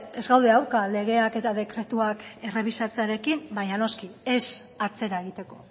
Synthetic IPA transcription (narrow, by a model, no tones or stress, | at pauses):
e̞zɣawðeawɾkale̞ɣ̞e̞ake̞t̪aðe̞kɾe̞t̪uake̞re̞β̞isat͡seaɾe̞kimbaɲano̞skie̞sat͡se̞ɾae̞ɣit̪e̞ko̞